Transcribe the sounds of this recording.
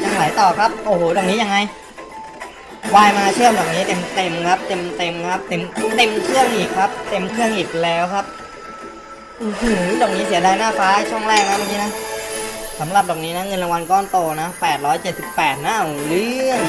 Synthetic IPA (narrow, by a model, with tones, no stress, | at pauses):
t͡ɕa˧ŋla˩˦jt̪ɔː˨˩kʰa˦˥p̚ʔoː˧˩hoː˨˩dɔː˨˩k̚niː˦˥ja˧ŋːa˧j | waː˧jmaː˧t͡ɕʰɯ˥˩əmdɔː˨˩k̚niː˦˥t̪e˧mt̪e˧mkʰa˦˥p̚t̪e˧mt̪e˧mkʰa˦˥p̚t̪e˧mu˧˦t̪e˧mkʰɯ˥˩əŋʔiː˨˩kʰːa˦˥p̚t̪e˧mkʰɯ˥˩əŋʔiː˨˩k̚lɛː˦˥wkʰa˦˥p̚ | ʔo˧˩hɯː˧˩dɔː˨˩k̚niː˦˥si˩˦ɐdaː˧jnaː˥˩faː˦˥˧t͡ɕʰu˥˩ŋlɛː˥˩k̚na˦˥ma˧nk̬iː˧na˦˥ | sa˩˦mɾa˨˩p̚dɔː˨˩niː˦˥na˦˥ŋɤ˧nla˧ŋwa˧nkɔː˥˩nt̪oː˧na˦˥pɛː˨˩t̪̚ɾɔː˦˥jt͡ɕe˨˩t̪̚si˨˩pːɛː˨˩t̪̚na˦˥ʔlɯː˧˥˩ŋ